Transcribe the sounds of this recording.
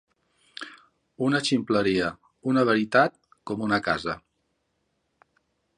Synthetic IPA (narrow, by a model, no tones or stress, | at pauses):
unət͡ʃimpləɾiə | unəβ̞əɾit̪at̪̚ | kɔmunəkazə̰